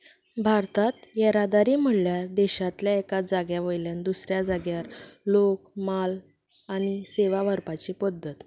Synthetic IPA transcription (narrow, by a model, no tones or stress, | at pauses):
bʱaɾt̪ʰat̪jɛɾad̪aɾiːm̤əɽljaɾd̪ɛɕat̪ljaekad͡zaɡjaʋəjljand̪usɾjad͡zaɡjaɾlokmal | aɽ̃iseʋaʋəɾpat͡ɕiːpəd̪ːət̪